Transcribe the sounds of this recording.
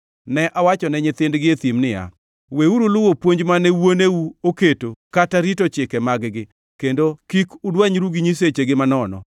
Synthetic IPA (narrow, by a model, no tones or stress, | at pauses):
nɛʔawat͡ʃɔnɛɲɪt̪ɪndɡɪet̪imnɪja̰ | weuɾulʊwopwoɲd͡ʒmanɛwoneuoketokataɾitot͡ʃɪkɛmaɡɡɪ | kendokikʊdwaɲɾuɡiɲis̬et͡ʃeɡɪmanɔnɔ̰